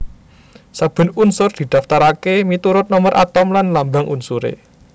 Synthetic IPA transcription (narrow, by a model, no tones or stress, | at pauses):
sab̥ə̤nunsʊrd̪̥i̤d̪̥äft̪aɾakemit̪uɾʊt̪̚nɔmərʔa̰t̪ɔmlanlambaŋʔunsuɾḛ